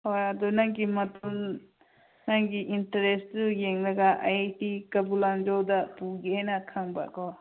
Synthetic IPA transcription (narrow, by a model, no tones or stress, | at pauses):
hojɐdunaŋɡimɐtum | naŋɡiʔintɐɾesujeŋlɐɡaʔa̰jtikɐbuland͡ʒowdɐpuɡehajnɐkʰaŋba̰kɔ